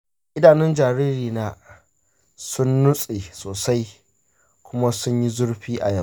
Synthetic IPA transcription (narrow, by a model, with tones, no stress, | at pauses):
ʔɪ˦daː˨nɪ˦nd͡ʒaː˨ɾiː˦ɾiː˨naː˦ | sʊ˦nːʊ˦sʼe˨soː˨sa˦j | kʷʊ˦ma˦sʊ˦ɲji˦zʊ˦ɽɸiː˦ʔa̰˨jɐ˦